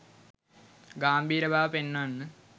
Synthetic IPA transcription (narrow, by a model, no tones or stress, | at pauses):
ɡaːmbʱiːɾɐbʱaːʋɐpenːaːnːɨ